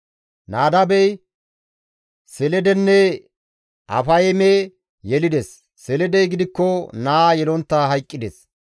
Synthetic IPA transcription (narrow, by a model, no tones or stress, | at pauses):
naːd̪ɐbɛj | sɛlɛd̪ɛnːɛ | ʔɐ̰fɐjme | jɛlɪd̪ɛsː | ɛlɛd̪ɛjɡɪd̪ɪkːɔnaːjɛlɔnt̪ːaɦɐjkʼːɪd̪ɛs